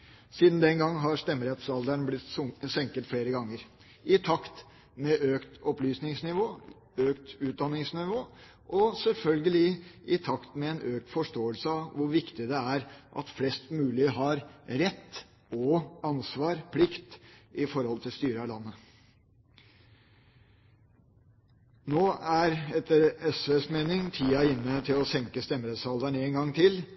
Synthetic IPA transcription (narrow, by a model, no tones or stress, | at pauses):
siːd̪nd̪ɛnɡɑŋːɦɑɾʂt̪ɛmːəɾɛt̪sɑld̪əɳblɪt̪sɛŋkət̪fɽeːɾəɡɑŋːəɾ | ʔɪt̪ʰɑkt̪ | mɛʔøːkt̪ɔplyːsnɪŋsnɪʋoː | øːkt̪ʉːt̪̚d̪ɑnːɪŋsnɪʋoː | ʔɔsɛlfœlɡəlɪʔɪt̪ʰɑkt̪mɛɛnøːk̚t̪fɔʂtoːəlsəɑʋʊɾʋɪkt̪ɪd̪ɛæɾʔɑ̰t̪flɛst̪mʉːlɪɦɑɾɾɛt̪ː | ɔɑnsʋɑːɾpʰlɪkt̪ʔɪfɔɾhɔlt̪ʰɪlst̪yːɾəɑlɑnːə | noːæɾɛt̪ːəɾɛsʋesmeːnɪŋt̪ʰiːɑɪnːət̪ʰɪlɔsɛŋkəst̪ɛmɾɛt̪sɑld̪əɳeːnɡɑŋt̪ʰɪl